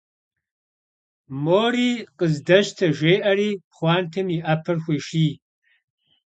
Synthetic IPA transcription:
moːriːqʼəzdɐʃtʰɐʒʷeːʔɐriːχʷɑːntʰɨmiʔɐpʰɨrxʷiːʃiː

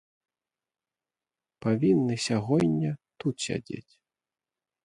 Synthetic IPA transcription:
pavʲinːɨsʲaɣɔjnʲːɐt̪ut̪sʲa̰d͡zʲḛt͡sʲ

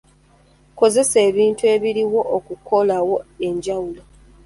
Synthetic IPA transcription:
ko̞ze̞se̞ːβiːntue̞ːβiɾiwo̞ːkuko̞lawo̞e̞ɲɟawulo

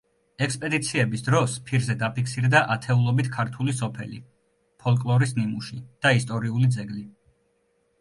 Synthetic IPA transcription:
ɛkspʼɛd̪it̪sʰiɛbisd̪ɾɔspʰiɾzɛd̪apʰikʰsiɾd̪aʔat̪ʰɛulˠɔbit̪ʰkʰaɾt̪ʰulisɔpʰɛlḭ | pʰɔlˠkʼlˠɔɾisnimuʃid̪̥aist̪ʼɔɾiulid̪zɛɡli

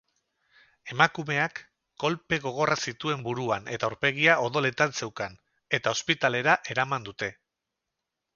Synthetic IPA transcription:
e̞makume̞akː | o̞lpe̞ɣ̞o̞ɣ̞o̞rasit̪ue̞mbuɾuane̞t̪auɾpe̞ɣiao̞ðo̞le̞t̪anse̞wkan | e̞t̪ao̞spit̪ale̞ɾaʔe̞ɾamand̪ut̪e̞

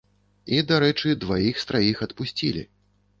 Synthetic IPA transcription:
id̪aɾɛt͡ʂɨd̪vajixst̪ɾajixɐt̪pusʲt͡sʲilʲḭ

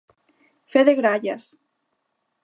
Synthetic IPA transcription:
feðeɣɾaʎas

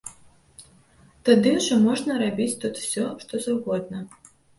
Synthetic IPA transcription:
t̪ad̪ɨʐɔmɔʐnɐɾabʲit͡sʲt̪ut̪w̥sʲɔʂt̪ɔzawɣɔd̪nɐ

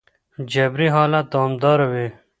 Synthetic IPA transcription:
d͡ʑɐbɾiɦɑːlaɑːmd̪ɑːɾɐwe

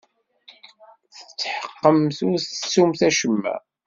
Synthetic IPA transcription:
θə̥t͡sːħə̥qːəmθʊɾθst͡sːumθæʃəmːæ̰

